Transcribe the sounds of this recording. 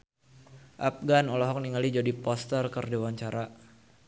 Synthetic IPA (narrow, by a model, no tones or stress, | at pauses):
ʔap̚ɡanɔlɔɦɔk̚niŋalid͡ʒadipɔst̪ərkərdewaɲt͡ʃaɾa